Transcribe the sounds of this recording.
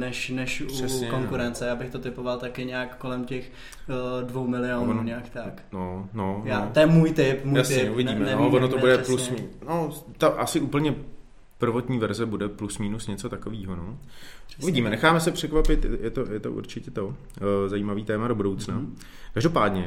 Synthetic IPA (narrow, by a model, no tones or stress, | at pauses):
nɛʃnɛʃuɛsɛkoŋkuɾɛnt͡sɛjaːbɪxt̪ot̪ɪpovalt̪akɪɲɛakːolɛmcɛx | dvowmɪlɪoːnnoɲɛakt̪aknononjaːjɛmuːjt̪ɪpmujasɲɛuvɪɟiːmɛnovonot̪obudɛplusmnot̪aʔasɪʔuːpl̩ɲɛ | pr̩vo̞t̪ɲiːvɛɾzɛbudɛplusmiːnusɲɛt͡sot̪akoviːɦono | uvɪɟiːmɛnɛxaːmɛsɛpr̥ɛkvapɪt̪jɛt̪ojɛt̪o̰ʔṵɾt͡ʃɪcɛt̪o̞ | zaiːmaviːt̪ɛːmado̞budowt͡sna | kaʒdo̞paːdɲɛ